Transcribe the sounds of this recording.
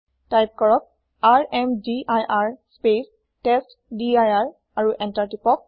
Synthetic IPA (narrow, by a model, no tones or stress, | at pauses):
tajp̚kɔɹɔk̚ | aɹɛmdiʔajʔaɹspes | tɛst | diajaɹ | aɹuʔɛntaɹtipɔk̚